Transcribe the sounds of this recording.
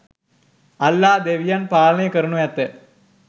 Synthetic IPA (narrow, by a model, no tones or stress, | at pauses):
ɐlːaːd̪eʋijaːnpaːlɐnejkɐɾuɳujɐt̪ːe